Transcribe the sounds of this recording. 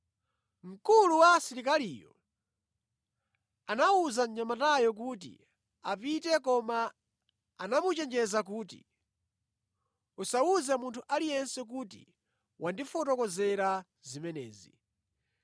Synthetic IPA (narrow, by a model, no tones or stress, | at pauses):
m̩kuluwasiɾikalijɔ̰ | anauzaɲamatajɔk̬uːt̬ḭ | apitɛkɔmaː | namut͡ʃɛnd͡ʒɛzak̬uːtḭ | usauzɛmuntʰuʔalijɛnsɛk̬uːtḭ | wʔandifɔtɔkɔzɛɾa | zimɛnɛ̰ːzi